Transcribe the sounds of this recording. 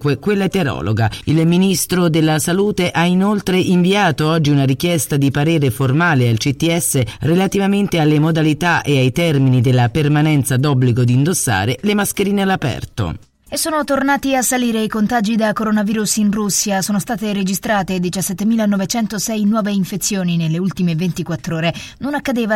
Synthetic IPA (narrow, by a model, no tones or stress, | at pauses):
kwekwelːaet̪eɾɔ̰ːlo̰ɡailminist̪ɾod̪elːasaluːt̪eʔainolt̪ɾeʔiɱviaːt̪oɔd͡ʒːiunaɾikjɛst̪ad̪ipaɾeːɾeformaːlealt͡ʃit̪ːiɛsːerelat̪ivament̪ealːemod̪alit̪aʔeajt̪ɛrminid̪elːapermanɛnt̪sad̪ɔbːliɡod̪ind̪osːa̰ːɾelemaskeɾiːnealapɛ̰rt̪o̰ | esːoːnot̪ornaːt̪iasːaliːɾeikont̪aːd͡ʒid̪akoɾonaviːɾusinrusːjasoːnost̪aːt̪eɾed͡ʒist̪ɾaːt̪ed̪it͡ʃasːɛt̪ːemiːlanɔvet͡ʃɛnt̪osɛjnwɔːveiɱfet̪sːjoːninelːeult̪imevent̪ikwat̪ːɾoːɾenonakːad̪eːva